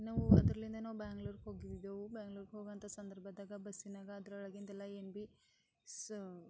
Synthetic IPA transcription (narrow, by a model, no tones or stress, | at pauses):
nɐːʋuɐd̪ɾɐlind̪ɐnɐːʋubaːŋɡluːɾɦoːɡid̪id̪oːʋubaːŋɡluːɾɡɦoːɡɐnt̪ɐsɐnd̪ɐɾbʱɐd̪aːɡɐbɐsːinaːɡɐːd̪ɾɐɐɭɐɡint̪ɛlːɐembi | ss